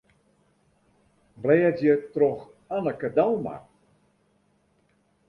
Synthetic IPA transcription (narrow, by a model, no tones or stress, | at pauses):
blɛːətjətrox | anəkədawˠma̰